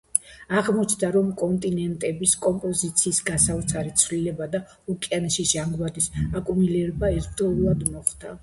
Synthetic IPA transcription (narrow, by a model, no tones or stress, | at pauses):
aʁmɔt͡ʃʰd̪aɾɔmkʼɔnt̪ʼinɛnt̪ʼɛbiskʼɔmpʼɔzit̪sʰiːsɡasaut̪sʰaɾit̪sʰvlilɛbad̪a | ukʼjanʃiʒaŋɡwad̪isakʼumilɛɾbaɛɾt̪ʰʼɔulˠad̪mɔχd̪̥a